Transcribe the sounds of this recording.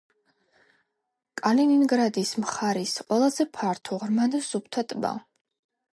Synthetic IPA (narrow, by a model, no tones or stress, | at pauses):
kʼalininɡɾad̪ismχaɾisqʼwɛlˠazɛpʰaɾt̪ʰɔʁɾmanasup̚ʰt̪ʰat̪ʼba̰